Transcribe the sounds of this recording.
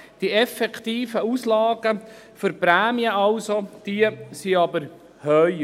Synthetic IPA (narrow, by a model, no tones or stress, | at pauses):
d̥iɛfɛkt̪iːfəuːslɑːɡə | føɾpɾæːmiəɑlsod̥iəsiɑbəɾ | hœʏ